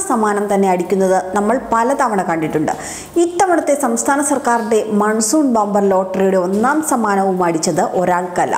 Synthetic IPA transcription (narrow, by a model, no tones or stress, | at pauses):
sɐmaːnɐmt̪ɐnːe̞ɐɽikʲːunːɐðɨnɐmːɐɭpɐlɐt̪ɐʋɐɳɐkɐɳɖiʈːuɳɖɨ̰ | it̪ːɐʋɐɳɐt̪ːe̞sɐmst̪ʰaːnɐsɐrkaːɾiɳɖe̞mɐɳsuːnbaːmbɐrlo̞ːʈːɐrijuɽe̞o̞nːaːmsɐmaːnɐʋumaːɽit͡ɕːɐðɨʔo̞ɾaːɭkɐlːɐ̰